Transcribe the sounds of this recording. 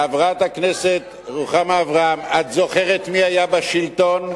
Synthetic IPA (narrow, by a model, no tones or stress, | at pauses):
avʁaatakneset̪ | ʁuχamaːvʁaamat̪zo̞χeʁetmiajabaʃilto̞n